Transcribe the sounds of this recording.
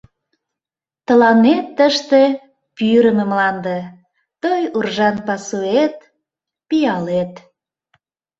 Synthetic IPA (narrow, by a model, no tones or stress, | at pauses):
t̪əlɑnet̪ːəʃt̪e | pyɾəməmlɑnd̪ĕ | t̪ojurʒɑnpɑsuet̪̚ | pijɑlet̪